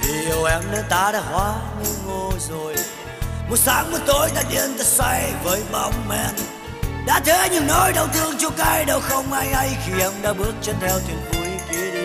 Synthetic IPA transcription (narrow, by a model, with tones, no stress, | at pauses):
t̪ʰi˨˩ə˨˩wʔɛ˨˥mnə˨˧t̪aː˨˦ɗa̰ː˧˩hwaː˨˦ɲɨ˧ŋo˧zo˨˩j | mo˨˩t̚saː˨˦ŋmɨː˨˧˩t̪o˨˦jt̪aː˧˩ɗi˧˩ənt̪ə˨˩sa˧jvəː˨˦jɓa˧wŋ͡mmɛ˧n | ɗa̰ː˧˥t̪ʰe˨˦ɲɨ˧˦ŋnɔ˨˦jɗə˨˩wt̪ʰɨ˧əŋt͡ɕu˧˦kaː˧jɗə˨˩wxə˧wŋ͡mʔaː˧jha˧jxi˧ʔɛ˧˥mɗa̰ː˧˥ɓɨ˦˥ək̚t͡ɕɔ˧t̪ʰɛ˧wt̪ʰwi˨˩ənvu˨˦i˧˦ki˨˦əɗi˧˦